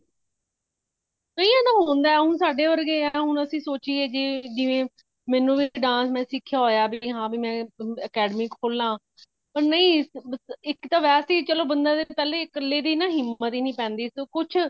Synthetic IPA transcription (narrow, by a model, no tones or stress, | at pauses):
kəĩːɛ̃t̪aːɦoːnd̪aːɛːɦʊnsaːɖeːʋəɾɡẽːɛːɦʊnəsĩːsoːt͡ʃiːeːd͡ʒeːd͡ʒɪʋẽː | mɛ̃ːnũːbiɖãːsmɛ̃ːsɪkʰːjaːɦoːjaːbʱɦãːbiːmɛ̃ːəkɛːɖmiːkʰoːlːãː | pəɾnəĩː | ɪkt̪aːʋɛːseːt͡ʃəloːbənd̪aːd̪et̪əleːkəlːeːd̪iːnãːɦɪmːət̪iːnĩːpɛ̃ːnd̪iːskʊt͡ʃʰ